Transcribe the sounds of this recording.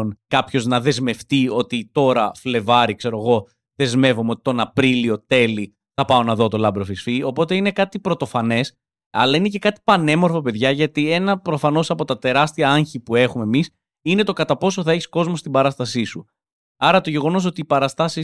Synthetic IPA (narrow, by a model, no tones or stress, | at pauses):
nkɐpço̞znɐðe̞zme̞ft̪io̞t̪it̪o̞ɾɐfle̞vɐɾikse̞ɾo̞ɣo̞ | ðe̞zme̞vomeo̞t̪i̥t̪o̞nɐpɾilio̞t̪e̞li | θɐpɐo̞nɐðo̞t̪o̞lɐbɾo̞fisfio̞po̞t̪e̞ine̞kɐt̪ipɾo̞t̪o̞fɐne̞s | ɐ̰lɐine̞ce̞kɐt̪i̥pɐne̞mo̞ɾfope̞ðʝɐʝɐt̪ie̞nɐpɾo̞fɐno̞sɐpo̞t̪ɐt̪e̞ɾɐst̪iɐɐɲçipue̞xume̞mis | ine̞t̪o̞kɐt̪ɐpo̞so̞θɐe̞çi̥sko̞zmo̞st̪ibɐɾɐst̪ɐsisu | ɐɾɐt̪o̞ʝe̞ɣo̞no̞s̬o̞t̪iːpɐɾɐst̪ɐsi